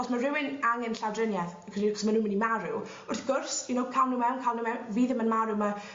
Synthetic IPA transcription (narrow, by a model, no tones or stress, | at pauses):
ɔsmarɪwɪnaŋɛnɬawdrənjɛð | kʰriːɔsmanuːnmənimaɾʊ̰w | ʊrθɡ̥ʊrsunowkʰalˠnumɛwnkʰalˠnumɛwviːðəmənmaɾʊma